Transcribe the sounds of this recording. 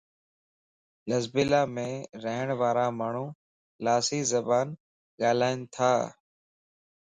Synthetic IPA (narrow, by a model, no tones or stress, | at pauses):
ləzbɪlaːmẽːɾəɦəɳʋaːɾaːmaːɳ̤ũː | laːsiːzəbaːn | ɠaːlaːɪnt̪ʰaː